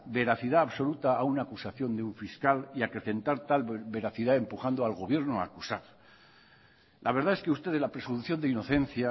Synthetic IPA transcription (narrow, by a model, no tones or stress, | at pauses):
be̞ɾaθiðaːβso̞lut̪aaunaːkusaθjo̞nd̪euɱfiskaliakɾe̞θe̞nt̪aɾt̪albe̞ɾaθiðae̞mpuxand̪oalɣ̞o̞β̞je̞ɾnoa̰kusaɾ | lʔaβe̞ɾðae̞skeust̪eðlapɾe̞seðuθjo̞nd̪eino̞θẽ̞n̟θja